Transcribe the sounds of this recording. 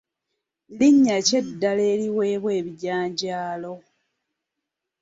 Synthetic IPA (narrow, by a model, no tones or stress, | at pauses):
liɲːace̞dːale̞ːliwe̞ːβwe̞ːβiɟaːɲɟaːlo̞